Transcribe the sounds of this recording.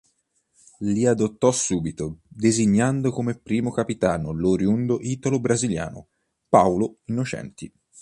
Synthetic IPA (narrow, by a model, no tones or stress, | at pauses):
liad̪ot̪ːɔsːuːbit̪od̪eziɲːand̪okomepːɾiːmokapit̪aːnoloɾjund̪oʔiːt̪olobɾazilja̰ːno̰ | pawloinːot͡ʃɛ̰nt̪i